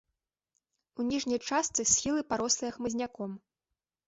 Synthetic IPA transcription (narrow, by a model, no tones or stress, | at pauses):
unʲiʐnʲɐjt͡ʂast̪sɨsʲxʲilˠɨpaɾɔslˠɨjɐxmɨzʲnʲakɔm